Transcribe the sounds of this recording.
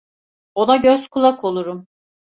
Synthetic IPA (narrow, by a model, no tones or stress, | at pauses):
o̞naɟøzkʰulˠakʰo̞lˠuɾum